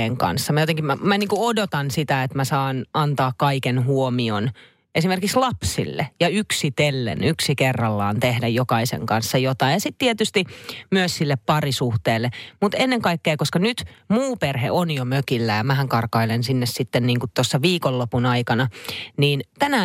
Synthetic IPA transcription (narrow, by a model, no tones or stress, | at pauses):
eːŋkɑ̰nsːɑmæjot̪eŋkimæmæniːŋkuodot̪ɑnsit̪æet̪mæsɑːnɑnt̪ɑːkkɑikenhuomion | esimerkikslɑpsḭlːḛjɑyksit̪elːḛnyksikerːɑlːɑ̰ːnt̪ehdæjjokɑisḛŋkɑnsːɑjot̪ɑijɑsit̪t̪iet̪yst̪imyøssilːeppɑrisuht̪eːlːemut̪enːeŋkɑikːeːkoskɑnyt̪muːperhḛʔonjomøkilːæjɑmæhæŋkɑrkɑilensinːessit̪ːenniːŋkut̪t̪osːɑʋiːkolːopunɑikɑnɑniːnt̪ænæ